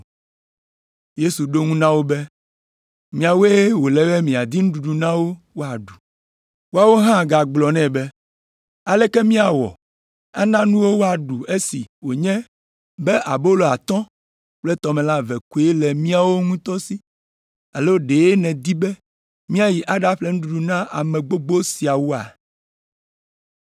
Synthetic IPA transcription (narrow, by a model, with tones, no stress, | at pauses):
je˦su˨ɖo˦ŋũ˦nã˦wo˦bɛ˦ | mĩ˨a˨we˦e˦wo˨lɛ˦bɛ˦mĩ˨a˨d̪i˦nũ˦ɖu˨ɖu˨nã˦wo˦ | wo˦a˨ɖu˨ | wo˦a˦wo˦ɦã˦˨ɡa˨ɡ͡blɔ˨nɛ̃˦bɛ˦ | a˨lɛ˦kɛ˦mĩ˦a˨wɔ̰˨ | a̰˦nã˦nũ˦wo˦wo˦a˨ɖu˨e˦si˨wo˨ɲɛ̃˦ | bɛ˦ʔa˨bo˦lo˨a˨t̪ɔ̃˦ | k͡plɛ˦t̪ɔ˨mɛ̃˨la˦vɛ˨ku˦e˦lɛ˨mĩ˦a˦wo˦ŋũ˦t̪ɔ˦si˦ | a˨lo˦ɖe˨je˦nɛ̃˨d̪i˦bɛ˦ | mĩ˦a˦˨ji˨ʔa˨ɖa˦ɸlɛ˦ŋ̩̃˦ɖu˨ɖu˨nã˦ʔa˨mɛ̃˨ɡ͡bo˦ɡ͡bo˦si˨a˨wo˦a̰˨